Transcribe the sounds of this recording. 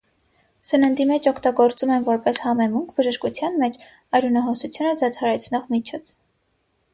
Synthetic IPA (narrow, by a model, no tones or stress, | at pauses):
sənənd̪imɛt͡ʃʰɔkʰt̪ɑɡɔɾt͡sumɛnvɔɾpɛshɑmɛmuŋkʰbəʒəʃkut͡sʰjɑnmɛt͡ʃʰ | ɑɾunɑɦɔsut͡sʰjunəd̪ɑt̪ʰɑɾɛt͡sʰnɔʁmit͡ʃʰɔt͡sʰ